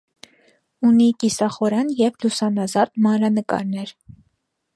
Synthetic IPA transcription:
unikisɑχɔɾɑnjɛvlusɑnɑzɑt̪mɑnɾɑnəkɑ̰ɾnɛɾ

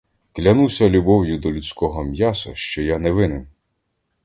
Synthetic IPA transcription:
klʲɐnusʲɐlʲubɔwjʊd̪ɔlʲut͡sʲkɔɦɔmʲjasʊ̰ʃt͡ʃɔjanɛʋɪnɪm

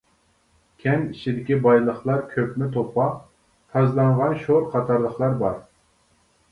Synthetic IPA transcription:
kʲʰɛnit͡ʃʰid̪ɪkʲibɑjlˠəχlˠɑɾkʲʰøpmɪt̪ʰopʰɑ | t̪ʰɑzlˠɑɴʁɑnʃoɾqʰɑt̪ʰɑɾlˠəχlˠɑɾbɑɾ

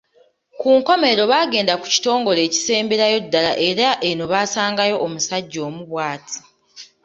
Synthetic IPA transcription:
kuːŋko̞me̞ɾo̞βaːɡe̞ːndaku̥ci̥to̞ːŋɡo̞le̞ːci̥se̞ːmbeɾajo̞dːalaʔe̞ɾaʔe̞no̞βaːsaːŋɡajo̞ʔːmusaɟːo̞ːmuβwaːtʰi̥

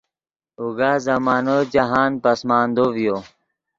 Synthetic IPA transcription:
uɡaːzɐmaːnod͡ʑaɦaːnpɐsmaːnd̪ovjo

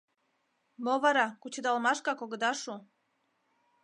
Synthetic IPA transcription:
moβɑɾɑkut͡ɕəd̪ɑlmɑʃkɑkoɣəd̪ɑʃu

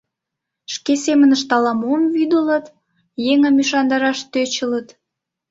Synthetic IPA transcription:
ʃkesemənəʃt̪ɑlɑmuəmβyd̪ələt̪ | jeŋə̆myʃɑnd̪ɑɾɑʃt̪øt͡ɕələt̪

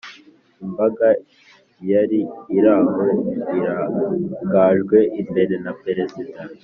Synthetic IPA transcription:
imbaɡa | jaɾiːɾaɡoiɾaɡaʒɡwe̞ʔimbe̞ɾe̞napeɾe̞zida

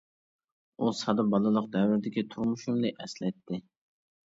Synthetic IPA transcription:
usɑd̪ɑbɑlˠɨlˠəqd̪ɛwɪɾɪd̪ɪkʲit̪ʰuɾmuʃumlˠɨʔɛslɛt̪ʰːɪ

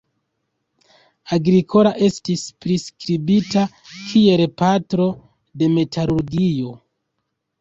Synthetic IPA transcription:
aɡɾikʰo̞laʔe̞stispɾiskɾibita | kʰie̞lpatɾo̞ | de̞me̞tʰaɾuɾɡio̞

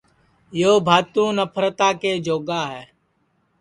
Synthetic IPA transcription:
joːbʱaːt̪ũːnəpʰəɾət̪aːkeːd͡ʒoːɡaːɦɛː

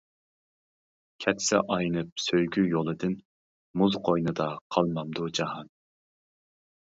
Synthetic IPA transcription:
kʲʰɛt̪ʰsɪ̰ʔɑjnɨp̚søjɡʲyjolˠɨd̪ɪn | muzqʰojnɨd̪ɑqʰɑlˠmɑmd̪ud͡ʒɑhɑn

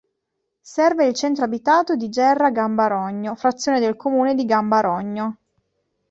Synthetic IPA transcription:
sɛrveilt͡ʃɛnt̪ɾoabit̪aːt̪od̪id͡ʒɛrːaɡambaɾɔɲːofɾat̪sːjoːned̪elkomuːned̪iɡambaɾɔɲːo

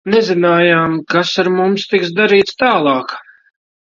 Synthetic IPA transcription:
nɛzinaːjaːmkasaɾmumst̪iksd̪aɾiːt̪st̪aːlˠɑːk

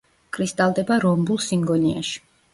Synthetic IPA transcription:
kʰɾist̪ʼalˠd̪ɛbaɾɔmbulˠsiŋɡɔnia̰ʃi̥

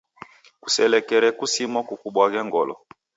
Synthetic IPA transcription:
ku̥sɛlɛkɛɾɛkusimɔkukuɓwaɣɛŋɡɔlɔ̰

